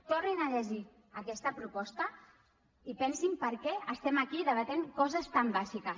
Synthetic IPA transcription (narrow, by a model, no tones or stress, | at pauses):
t̪orninaʎəʒi | akɛst̪əpɾupɔst̪ə | ipɛnsimpəɾkɛəst̪ɛmakiðəβət̪eŋkɔzəst̪ambazikəs